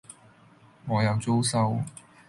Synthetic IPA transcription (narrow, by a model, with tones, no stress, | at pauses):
ŋɔː˨˧jɐ˨˧wt͡so˥wsɐ˥w